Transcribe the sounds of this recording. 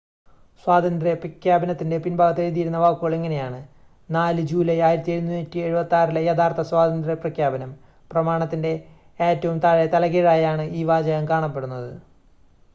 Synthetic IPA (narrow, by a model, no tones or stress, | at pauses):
swaːd̪ɐnd̪reprɐkʰjaːbɐnɐt̪ːinde̞pinbʱaːɣɐt̪ːeɻiðijiɾunːɐʋaːkːuɣɐɭe̞ŋːɐne̞jaːɳɨ | naːlɨd͡ʑuːlɐjaːjiɾɐt̪ːie̞ɻunːuntːie̞ɻubɐt̪ːaːrilɐjɐd̪aːrt̪ʰɐswaːd̪ɐnd̪rɐprɐkʰjaːbɐnɐm | prɐmaːɳɐt̪ːinde̞ | eːtːɐʋumt̪aɻet̪ɐlɐɣeːɻaːjaːɳɨiːʋaːd͡ʑɐɣɐmkaːɳɐpːe̞ɽunːɐðɨ